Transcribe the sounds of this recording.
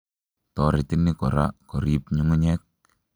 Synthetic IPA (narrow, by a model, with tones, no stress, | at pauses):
tɔ˨ɾe˨ti˦ni˦kɔ̰˨ɾa̰˦kɔ˨ɾipɲu˦ŋu˦ɲɛ˦k̚